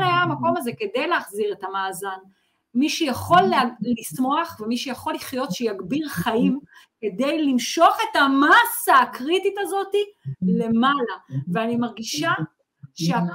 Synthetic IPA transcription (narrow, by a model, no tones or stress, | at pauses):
ajaamako̞maze̞ke̞d̪e̞jleaχziʁe̞tamaːzan | miʃejaχo̞lalismo̞aχvemiʃejaχo̞lːiχjo̞t̪ʃejaɡbiʁχajimke̞de̞jlimʃo̞χe̞tamasaːkʁititazo̞tile̞malaveanimaʁɡiʃa | ʃea